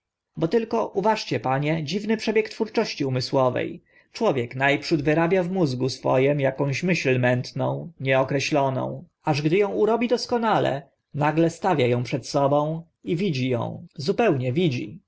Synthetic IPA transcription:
bɔt̪ɘlkɔʔuvaʂt͡ɕɛpaɲɛd͡ʑivnɘpʂɛbʲjɛkt̪fuɾt͡ʂɔɕt͡ɕiumɘswɔvɛ̰j | t͡ʂwɔvʲjɛknajpʂud̪vɘɾabʲjavmuzɡusfɔ̰jɛmjakɔ̃w̃ɕmɘɕlmɛnt̪nɔ̃w̃ɲɛɔkɾɛɕlɔnɔ̰̃w̃ | aʐɡd̪ɘjɔ̃w̃uɾɔbʲid̪ɔskɔnalɛ̰ | naɡlɛst̪avʲjajɔ̃w̃pʂɛt̪sɔbɔ̃w̃ | ivʲid͡ʑijɔ̰̃w̃zupɛwɲɛvʲid͡ʑi

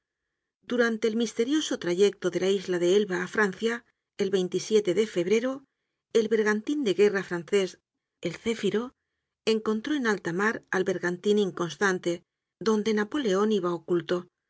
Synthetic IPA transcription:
d̪uɾant̪e̞ːlmist̪e̞ɾjo̞so̞t̪ɾaʝe̞k̚t̪oðe̞laizlaðeelβaːfɾanθja | e̞lβe̞jnt̪isje̞t̪eðe̞fe̞β̞ɾe̞ɾo̞ | elβe̞ɾɣant̪ind̪e̞ɣe̞rafɾanθe̞s | elθefiɾo̞ | e̞ŋko̞nt̪ɾo̞enalt̪amaɾalβe̞ɾɣant̪inĩŋko̞nst̪ant̪e̞ | ðo̞nd̪e̞napo̞le̞o̞niβaokult̪o̞

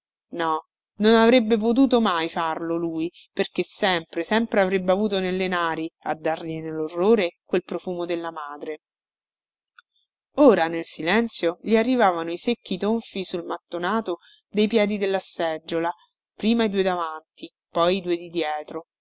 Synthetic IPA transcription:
nɔ | nonavɾebːep̬ot̪̬uːt̪omajfarloluːji | perkesːɛmpɾesɛmpɾeavɾebːeavuːt̪onelːenaːɾia̰d̪ːarʎinelːorːoːɾekwelpɾofuːmod̪elːamaːd̪ɾe | oːɾanelsilɛnt̪sjoʎiarːivaːvanoisekːit̪oɱfisulmat̪ːonaːt̪o | d̪ejpjɛːd̪id̪elːasɛd͡ʒːola | pɾiːmaid̪uːed̪avant̪i | pɔjd̪uːed̪id̪jɛːt̪ɾo

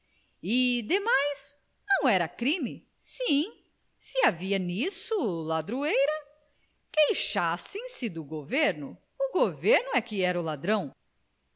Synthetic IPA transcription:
ɪd̪emajz | nɐ̃w̃ɛɾɐkɾĩmɪ | sĩ | sɪaviɐnisʊlad̪ɾuejɾɐ | kejʃasẽj̃sɪd̪ʊɡoveɾnʊ | ʊɡoveɾnʊɛkɪɛɾɐʊlad̪ɾɐ̃w̃

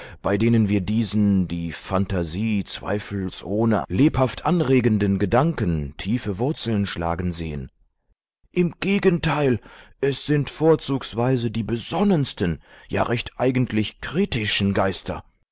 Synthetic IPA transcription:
b̥aɪdeːnənviːɐdiːzn̩diːfantaziːt͡sv̥a̰ɪfl̩sʔoːnə̰leːphaftʰʔanʁeːɡəndənɡədaŋkəntʰiːfəvʊɐt͡sl̩nʃla̰ːɡn̩zḛːə̰n | ʔɪmɡ̥eːɡəntʰaɪlʔɛsz̥ɪntfoːɐt͡suːksv̥aɪzədiːbəzɔnənstən̩ja̰ːʁɛçtʰʔaɪɡən̩tʰlɪçkʁ̥iːtɪʃn̩ɡaɪstʰɐ̰

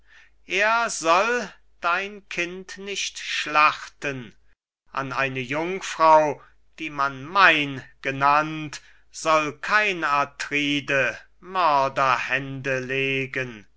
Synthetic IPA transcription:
ʔeːɐzɔl | d̥aɪnkʰɪntnɪɕtʃlaχtən | ʔa̰naɪnəjʊŋfʁ̥ɑʊ | d̥iːmanmaɪnɡ̥ənant | z̥ɔlkʰaɪnatʁiːdə | mœɐdɐhɛndəleːɡən

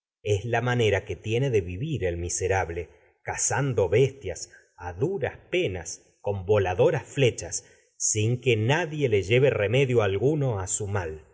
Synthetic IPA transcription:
eslamane̞ɾake̞t̪je̞neðeβiβiɾe̞lmiseɾaβle̞ | kasand̪o̞βe̞st̪jas | aðuɾaspe̞nas | ko̞mbo̞laðo̞ɾasfle̞t͡ʃasː | iŋkenaðje̞le̞ʒe̞βe̞reme̞ðjo̞alɣuno̞asumal

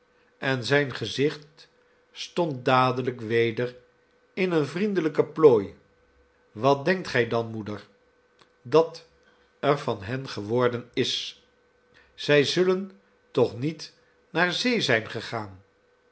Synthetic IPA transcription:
ɛnzɛjnχəzɪχt | stɔnt̚daːdələkʋejdər | ɪnənvrindələkəploːj | ʋɑt̚dɛŋk̚tχɛjdɑnmudəɹ | dɑt | ɛɹvɑnɦɛnχəʋɔɹdənɪs | z̥ɛjzɵlən | tɔχnit | naːɹzejzɛjnχəχaːn

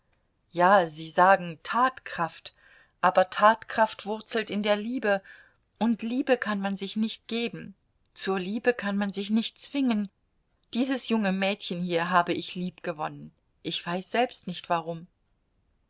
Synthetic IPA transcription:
jaːziːzaːɡŋ̩tʰaːtkʁ̥aft | ʔaːbɐtʰaːtkʁ̥aftv̥ʊɐt͡sl̩tɪndeːɐliːbə | ʔʊntliːbəkʰanmanzɪçnɪçt̚ɡ̥eːbm̩ | t͡suːɐliːbəkʰanmanzɪçnɪçtt͡sv̥ɪŋən | d̥iːzəsjʊŋəmɛːtçənhiːɐɦaːbəʔɪçliːpɡ̥əvɔnən | ʔɪçv̥aɪsz̥ɛlpstnɪçtv̥aʁʊm

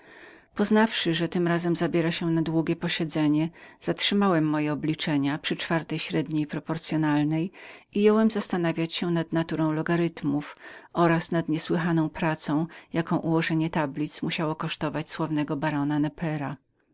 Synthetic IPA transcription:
pɔznafʂɘʐɛt̪ɘmɾazɛmzabʲjɛɾaɕɛnad̪wuɡʲjɛpɔɕɛd̪zɛɲɛz̥atʂɘmawɛmːɔjɛɔblʲit͡ʂɛɲapʂɘt͡ʂfaɾt̪ɛjɕɾɛd̪ɲejpɾɔpɔɾt̪sʲjɔnalnɛjijɔwɛmzast̪anavʲjat͡ɕɕɛnad̪nat̪uɾɔ̃w̃lɔɡaɾɘt̪mufʔɔɾasnad̪ɲɛswɘɦanɔ̃w̃pɾat̪sɔ̃w̃jakɔ̃w̃ʔuwɔʐɛɲɛt̪ablʲit̪smuɕawɔkɔʂt̪ɔvat͡ɕswɔvnɛɡɔbaɾɔnanɛpʰɛɾa

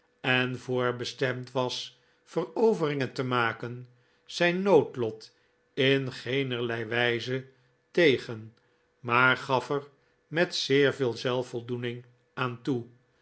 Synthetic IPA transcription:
ɛnvʊːɹbəstɛmtʋɑs | fərowvərɪŋəntəmaːkən | z̥ɛjnːowtlɔt | ɪnχejnəɹlɛjʋɛjzə | tejχən | maːɹχɑfər | mɛtsɪːɹvɪːlˠzɛlˠfɔlˠdunɪŋ | aːntu

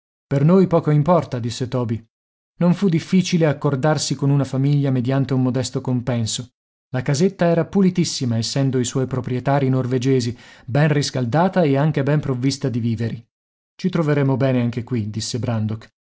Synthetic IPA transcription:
pernojpɔːkoimpɔrt̪ad̪isːet̪ɔːbi | noɱfud̪ifːiːt͡ʃileakːord̪arsikonunafamiʎːamed̪jant̪eumːod̪ɛst̪okompɛnso | lakazet̪ːaɛːɾapulit̪isːimaesːɛnd̪oiswɔjpɾopɾjet̪aːɾinorved͡ʒeːzibɛnriskald̪aːt̪aeaŋk̟ebɛmpɾovːist̪ad̪iviːveɾi | t͡ʃit̪ɾoveɾemobɛːneaŋk̟ekwid̪isːebɾand̪ok

